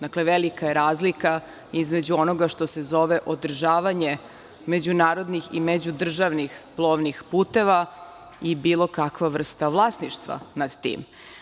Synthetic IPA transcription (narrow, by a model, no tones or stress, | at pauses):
d̪akleʋelikajeɾaːzlika | izme̞d͡ʑuo̞no̞ɡaʃt̪o̞sezo̞ʋeʔod̪r̩ʒaːʋaɲe | me̞d͡ʑunaːɾo̞d̪nixḭmed͡ʑud̪r̩ʒaʋnixplˠoːʋnixpuːt̪e̞ʋa | ibiːlˠo̞kakʋaʋr̩st̪avlˠaːsniʃt̪ʋa̰nad̪t̪ḭːm